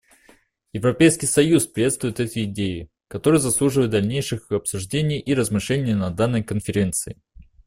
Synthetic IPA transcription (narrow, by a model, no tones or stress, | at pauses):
jɪvɾɐpʲejskʲɪjsɐjuspɾʲɪvʲet̪st̪vʊjɪt̪ɛt̪əjɪdʲejɪ | kɐt̪o̞ɾɨjzɐslˠuʐɨvəjɪt̪̚d̪ɐlʲnʲejʂɨxɐpsʊʐdʲenʲɪjʔiɾəzmɨʂlʲenʲɪjənɐd̪anːəjkənfʲɪɾʲe̞nt̪sɨɪ